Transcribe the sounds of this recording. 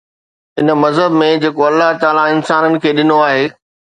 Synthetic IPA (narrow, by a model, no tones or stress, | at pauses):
ɪnə̆mɐzɦəbmẽd͡ʑeːkoɐlːaɦt̪aːlaɪnsaːnənɪ̆kʰeːɗɪnoaːɦeː